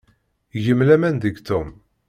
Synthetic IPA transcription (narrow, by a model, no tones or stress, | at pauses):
ʝəmlæmænd̪əɡt̪um